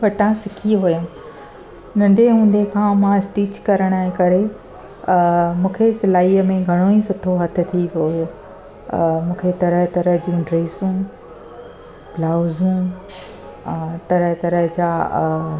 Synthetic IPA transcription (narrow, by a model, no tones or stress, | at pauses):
pɐʈãsɪkʰiɦʊjəm | nɐ̃nd̪ʱeɦũːnd̪ekʰãːmãɪsʈiːt͡ɕkɐɾəɽ̃əẽkɐɾe | mũːkʰesɪlaːiːəmẽɡʱɐɽ̃oĩsʊʈʰoɦɐt̪ʰɪ̆t̪ʰiʋojo | mũːkʰet̪ɐɾəɦt̪ɐɾəɦd͡ʑũɖɾeːsũ | blaːʊzũ | t̪ɐɾəɦt̪ɐɾəɦd͡ʑaː